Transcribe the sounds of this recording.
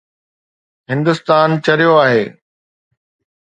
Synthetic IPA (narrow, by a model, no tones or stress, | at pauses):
ɦɪ̃nd̪ʊst̪aːnt͡ɕɐɾijoaːɦeː